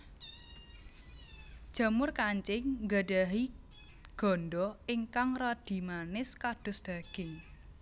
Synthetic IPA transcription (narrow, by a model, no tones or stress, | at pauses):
d̥ʒ̥a̤mʊrkaɲt͡ʃɪŋɡaɖaɦi | ɡ̥ɔ̤nɖɔɪŋkaŋrɔd̪̥i̤manɪskad̪̥ʊ̤sd̪̥a̤ɡ̥ɪŋ